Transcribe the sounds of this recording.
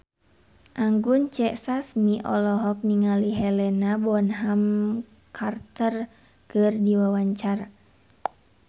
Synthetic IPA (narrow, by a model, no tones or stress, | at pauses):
ʔaŋɡunt͡ʃɛʔsasmiʔɔ̰lɔɦɔk̚niŋaliɦɛlɛnabɔnɦam | kʰart̪ər | kɨrdiwawaɲt͡ʃara